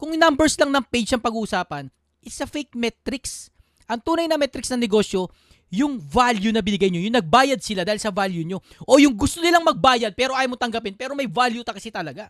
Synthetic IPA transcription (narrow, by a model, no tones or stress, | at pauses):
kʊŋnambɛɹslɐŋnɐŋpejd͡ʒ̪ɐŋpɐɡuːʔʊsaːpɐn | ʔɪsɐfɛjk̚mɛt̪ɾɪks | ʔɐŋt̪uːnɐjnɐmɛt̪ɾɪksnɐŋnɛɡo̞ːsjo̞ | jʊŋvaljunɐbɪnɪɡajɲojʊŋnɐɡ̚baːjɐd̪̚sɪlad̪aːhɪlsɐvaljuɲo̞ | ʔojʊŋɡʊst̪onɪlaŋmɐɡ̚baːjɐd̪̚pɛːɾo̞ʔaːjamot̪ɐŋɡɐpɪnpɛːɾo̞mɐjvaljut̪ɐkɐsit̪ɐlɐɡa